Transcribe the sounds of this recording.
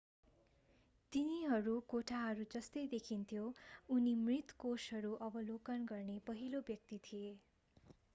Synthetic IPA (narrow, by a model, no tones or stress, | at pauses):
t̪iniɦʌɾukoʈʰaɦʌɾud͡zʌst̪ʌjd̪ekʰint̪ʰjounimrit̪kosɦʌɾuʔʌbʌlokʌnɡʌrnepʌɦilobjʌk̚t̪it̪ʰije